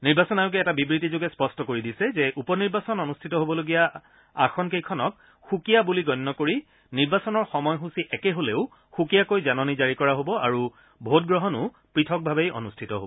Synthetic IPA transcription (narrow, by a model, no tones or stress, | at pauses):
niɹbasɔnajʊk̬ɛɛtabibɹitizoɡɛspɔstɔkoɹidisɛzɛʔupɔniɹbasɔnonustʰitɔɦobɔloɡija | akʰɔnkejkʰɔnɔk̚ | xukijabuliɡɔjnːɔkoɹi | niɹbasɔnɔɹxɔmɔjɦusiʔɛkɛɦoleʊ | xukijakojzanɔnizaɹikɔɹaɦobɔaɹu | bʱot̚ɡɹɔɦɔnʊ | pɹitʰɔk̚bʱabejo̰nustʰitɔɦo̰bɔ